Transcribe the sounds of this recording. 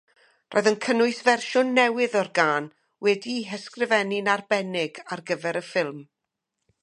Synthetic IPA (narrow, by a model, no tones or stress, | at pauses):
rʔɔ̰ːjðənkʰənʊɨsvɛrʃʊnːɛwɨðɔrɡaːn | wɛdiɦɛskrɪvɛnɪnarbɛnɪɡarɡəvɛɾəfɪlˠm